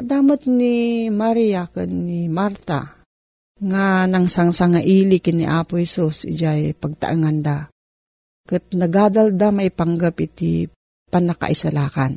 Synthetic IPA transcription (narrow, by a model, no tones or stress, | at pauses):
d̪aːmat̪nimaɾijakɨnːimaɾt̪a̰ | ŋanaŋsaŋsaŋaʔiːlikinḭʔaːpʊhɛsusd͡ʒajpaɡ̚t̪a̰ʔɯŋand̪a | kɨt̪̚naɡaːd̪ald̪amajpaŋɡapit̪i | panaka̰ʔisalaːkan